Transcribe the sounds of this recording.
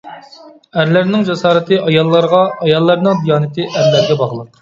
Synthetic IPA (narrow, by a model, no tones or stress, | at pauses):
æɾlæɾnɪŋd͡ʒɑsɑːɾɨt̪ɨʔɑjɑlˠːɑɾʁɑɑjɑlˠːɑɾnɨŋd̪ijɑːnɪt̪ʰɨʔæɾlæɾɡʲɛbɑʁlˠəq